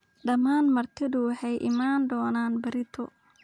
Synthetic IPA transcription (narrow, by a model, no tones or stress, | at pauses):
ɖɐmaːnmɐrt̪ʰɪðʊwɑħɛjʔɪmaːnd̪ɔːnaːnbɐɾɪt̪ʰɔ